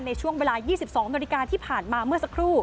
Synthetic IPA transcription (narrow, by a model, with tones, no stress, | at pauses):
nːa˧jt͡ɕʰu˥˩əŋweː˧laː˧jiː˥˩si˨˩p̚sɔː˩˦ŋna˧li˧kaː˧t̪ʰiː˥˩pʰaː˨˩nmaː˧mɯ˥˩əsa˧˥kʰɾuː˥˩